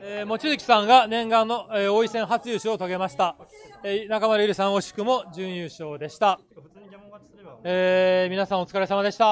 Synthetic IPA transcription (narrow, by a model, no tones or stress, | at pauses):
eːmo̞t͡ɕizɯkʲi̥sãŋɡanẽ̞ŋɡãnːo̞eo̞isẽ̞ɰ̃ɦat͡sɨjɯɕiot̪oɡe̞maɕi̥t̪aenakamaɾɯiɾɯ̟sãɰ̃o̞ɕi̥kɯ̟mo̞ʑɨ̃ɰ̃jɯːɕo̞ːd̪e̞ɕi̥t̪a | eːmʲinasãɰ̃o̞t͡sɨ̥kaɾesamad̪e̞ɕi̥t̪a